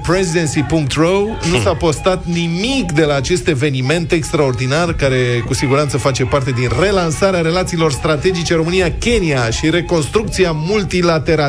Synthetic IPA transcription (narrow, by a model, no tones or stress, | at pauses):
pɾezid̪ensipuŋk̚t̪rownusapo̞st̪at̪nimikd̪e̞laːt͡ʃe̞st̪e̞ve̞nime̞nt̪e̞kst̪ɾao̞rd̪inarkaɾe̞kusiɡuɾant̪səfat͡ʃe̞part̪e̞d̪inre̞lansaɾeaɾe̞lat̪siːlo̞rst̪ɾat̪e̞d͡ʒit͡ʃe̞ɾo̞mɨnijakʲe̞niaʃiɾe̞ko̞nst̪ɾuk̚t̪siamult̪ilat̪e̞ɾa